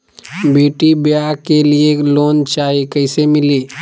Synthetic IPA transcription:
beːʈibjakelieloːnt͡ʃaːɦikəɪsemɪli

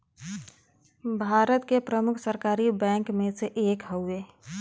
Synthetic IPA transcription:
bʱaːɾət̪kepɾəmʊkʰsəɾkaːɾibɛ̃ːŋkmẽseʔeːkɦəʊe

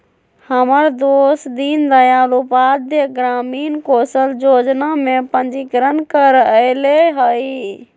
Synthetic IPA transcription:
həməɾd̪osd̪ind̪əjalupad̪ʱjəɡɾamiːnkosəld͡ʒod͡ʒnamepənd͡ʒikɾənkəɾəleɦəj

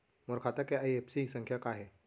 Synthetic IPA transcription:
moɾkʰat̪akeajepsisə̃ŋkʰjakaɦe

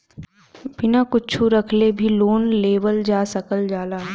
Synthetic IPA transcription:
bɪnakʊt͡ʃʰuɾɐkʰlebʱiloːnleːʋəld͡ʒaːsɐkəld͡ʒaːlaː

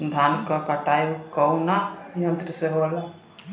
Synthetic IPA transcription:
d̪ʱaːnkakəʈajukəunajə̃nt̪ɾəseɦoala

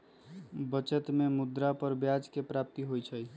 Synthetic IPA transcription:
bət͡ʃət̪memud̪ɾapəɾbjad͡ʒkepɾap̚t̪iɦojt͡ʃʰəj

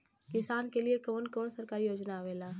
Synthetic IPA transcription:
kɪsaːnkeliekoːnkoːnsəɾkaːɾijoːd͡ʒnaʋeːlaːɦ

